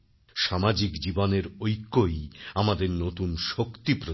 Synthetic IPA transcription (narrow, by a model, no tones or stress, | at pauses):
ʃamad͡ʑikd͡ʑiboneɾojkːojamad̪eɾnot̪unʃokt̪ipɾo